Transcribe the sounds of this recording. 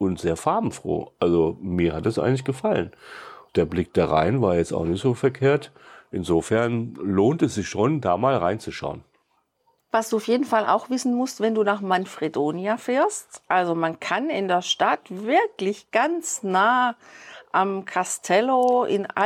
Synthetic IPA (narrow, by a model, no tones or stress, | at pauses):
ʊntz̥eːɐfaɐbm̩fʁ̥o̰ːʔalzomiːɐhat̚d̥ɛsʔa̰ɪɡŋ̩tlɪçɡ̥əfalənd̥eːɐblɪk̚d̥aːʁa̰ɪnvaːɐjɛt͡sta̰ʊxnɪçtz̥oːfɛɐkʰeːɐtʔɪnzoːfɛɐnloːntɛsz̥ɪçʃoːndaːmaːlʁaɪnt͡suʃa̰ʊən | vasd̥uːaʊfjeːdn̩fala̰ʊxv̥ɪsn̩mʊstv̥ɛnduːnaːχmanfʁ̥idoːnjafɛːɐstʔalzomankʰanɪndeːɐʃtatv̥ɪɐklɪçɡ̥ant͡snaː | ʔamkʰastʰɛloɪ̰na